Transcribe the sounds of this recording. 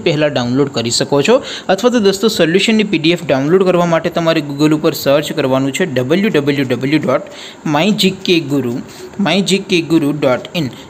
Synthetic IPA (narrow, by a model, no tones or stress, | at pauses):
pɛɦɛlaɖaunloɖkəɾiʃəkot͡ʃʰɔ | ət̪ʰʋat̪od̪əst̪osoljuʃənːipiɖiefɖaunloɖkəɾʋamaʈet̪əmaɾeɡuɡəlupəɾsəɾd͡ʒkəɾʋanũt͡ʃʰeɖəbəljuɖəbəljuɖəbəljuɖɔʈ | maĩd͡ʒikeɡuɾu | maĩd͡ʒikeɡuɾuɖɔʈin